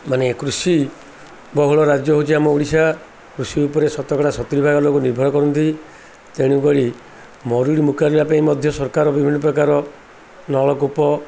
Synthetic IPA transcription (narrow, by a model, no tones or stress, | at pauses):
manekɾusi | bɔɦuɭɔɾad͡ʒjɔɦot͡ʃʰiamɔuɽisa | kɾusiupɔɾesɔt̪ɔkɔɽasɔt̪iɾibʱaɡɔlokuniɾbʱɔɽɔkɔɾɔnt̪i | t̪eɽ̃ukɔɽi | mɔɾuɽimukʰaɾilapaĩmɔd̪ʱjɔsɔɾkaɾɔbibʱinːɔpɾɔkaɾɔ | nɔɭɔkupɔ